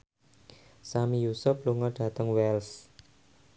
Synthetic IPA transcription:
samijusʊp̚luŋɔɖ̥a̤t̪əŋwɛls

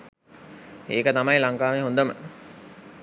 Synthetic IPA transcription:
eːkət̪amɐjlaŋkaːʋeɦond̪əmə̰

